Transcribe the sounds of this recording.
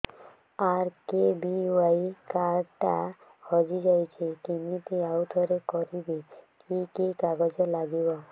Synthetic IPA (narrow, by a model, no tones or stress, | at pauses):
aɾkebiuajkaɾʈa | hʰɔd͡ʒid͡ʒajt͡ʃʰikinit̪iawd̪ʱɔɾekɔɾibikikikaɡɔd͡ʒelaɡibɔ